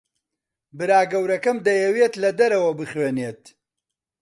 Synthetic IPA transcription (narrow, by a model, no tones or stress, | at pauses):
bɨɾaːɡɐwɾɐkɐmd̪ɐjɐwet̪lɐd̪ɐɾɐwɐbɨχweːneːt̪